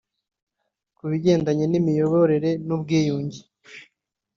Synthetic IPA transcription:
kuβiɟe̞ːndaɲenimijo̞βoɾe̞ɾe̞nubɡiːjuːɲɟi

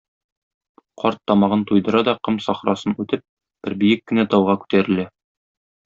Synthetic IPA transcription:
qɒɾt̪ːɒmɑʁɤnt̪ujd̪ɤ̆ɾɑd̪ɒqɤmsɒχɾɑsɤnʉt̪ɘp̚ | b̥ɘɾbijɘkːɘ̆næt̪ɒwʁɑkʉ̥t̪æɾɘ̆læ

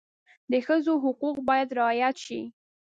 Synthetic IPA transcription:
d̪əxəzoɦʊquqbɑjad̪ɾɪɑjat̪ʃḭ

